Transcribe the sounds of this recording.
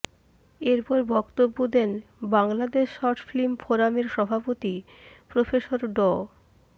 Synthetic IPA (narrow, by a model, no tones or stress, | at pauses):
eɾpɔɾebɔkt̪obːod̪ɛnbaŋlad̪eʃɔɾʈflimfoɾameɾʃɔbʱapot̪i | pɾofeʃoɾɖɔ